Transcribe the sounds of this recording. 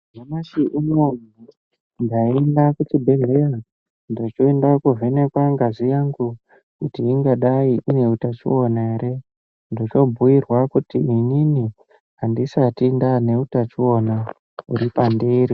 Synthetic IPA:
amaʃiʔumomu | ndaendakut͡ʃibʱeleja | ndo̞t͡ʃoendakuvʱe̞ne̞kwaŋɡazijaŋɡu | kutiːŋɡaɗaiʔune̞utat͡ʃionaɦeɾe̞ | ndot͡ʃo̞bʱujirwakutiinini | andisatindane̞utat͡ʃio̞na | ṵɾipandeːɾi

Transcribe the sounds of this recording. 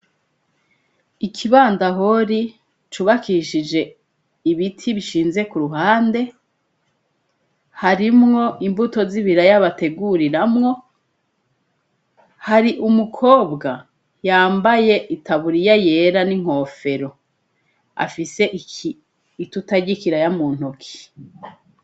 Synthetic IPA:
ikʰiβaːndaɦoɾi | t͡ʃuβakiʃid͡ʒe̞ | iβitʰiβiʃiːnze̞kuɾuɦaːnde̞ | haɾimŋo̞ʔimvuto̞ziβiɾajaβate̞ɡuɾiɾamŋo̞ | haɾiʔumukʰo̞ːbɡa | jaːmbaje̞ʔitʰaβuɾijaje̞ːɾaniŋ̥o̞ːfe̞ɾo̞ | a̰fise̞ʔiiː | tutaɟikiɾajamuːn̥hokʰi̥

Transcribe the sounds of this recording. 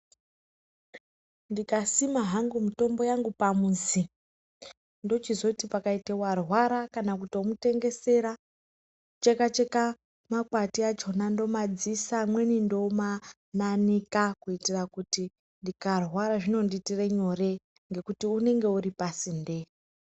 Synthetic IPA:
ndikasimaɦaŋɡumito̞mbo̞jaŋɡupamuːzi | ndo̞t͡ʃizo̞tipakaitewarwaɾakanak̬utio̞mute̞ŋɡe̞se̞ɾa | t͡ʃekat͡ʃeka | makwatiat͡ʃo̞nando̞mad͡zisamwe̞nindo̞ma | nanikakuitirakuti | ndikarwaɾaʐino̞nditire̞ɲo̞re̞ | ŋɡe̞kutiune̞ŋɡe̞uɾipasinde̞i

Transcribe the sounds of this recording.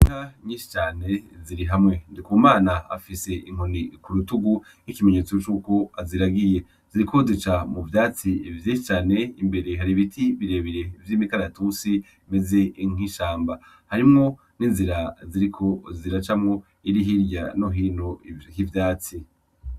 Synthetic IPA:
iŋaɲĩːʃi̥t͡ʃaːne̞ziɾiɦamŋe̞ndikumaːnaa̰fise̞ʔiŋ̥onikuɾutuɡu | nikime̞ɲe̞t͡sot͡ʃuːko̞aziɾaɡije̞ | z̥iɾikʰo̞zit͡ʃamuvjaːt͡sivjiːʃit͡ʃaːne̞imbe̞ɾeɦaɾiβitʰiβiɾe̞ːβiɾe̞vjiːmikaɾatusi | me̞ze̞iŋ̥iʃaːmba | haɾimŋo̞ | niːnziɾaziɾikʰo̞ziɾat͡ʃamŋo̞ | iɾiɦiɾɟa̰noɦinohivjaːt͡si

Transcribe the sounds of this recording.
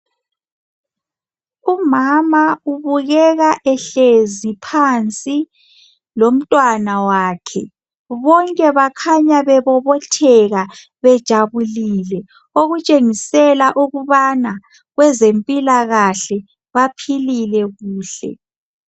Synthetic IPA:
umamauβuɣɛɣaʔɛɬezipʰant͡sʼi | lom̩tʼwanawaːkʰɛ | βɔŋkʼɛβakʰaɲaβɛβɔβɔtʰɛɣa | βɛd̥ʒ̥ʱaβuliːlɛ | oɣut͡ʃʼeŋisɛlaʔuɣuβana | ɣwɛzempʼilaɣaɬɛ | βapʰililɛɣuːɬɛ̰

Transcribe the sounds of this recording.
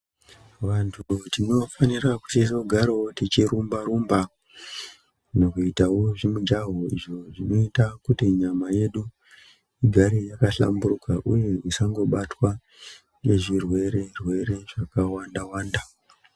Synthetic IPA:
ʋantʰutino̞fanirakutito̞ɡʱaɾao̞tit͡ʃiɾumbaɾumba | no̞kuitawo̞ʐimud͡ʒaɦoḭʐo̞ʐino̞itakutiɲamaje̞ɗu | iɡʱaɾijakaɬa̰mburukaʔṵje̞isaŋɡo̞ɓatwa | jeʐirwe̞ɾe̞rwe̞ɾe̞ʐakawandawaːnda

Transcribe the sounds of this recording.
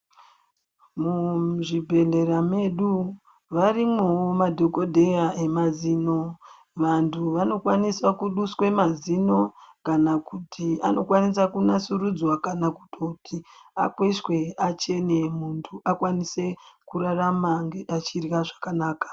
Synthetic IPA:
muʐibʱe̞ɮe̞ɾame̞ɗu | ʋarimwewomadʱoko̞dʱe̞jae̞maziːno̞ | ʋantʰuʋano̞kwaniswakuɗuswe̞mazino̞kanakutʰia̰no̞kwanisakunasurud͡zwakanaku̥totʰia̰kweswe̞at͡ʃe̞ne̞muntʰuʔakwanise̞kuɾaramaŋɡeat͡ʃirɣaʐakanaːkḁ

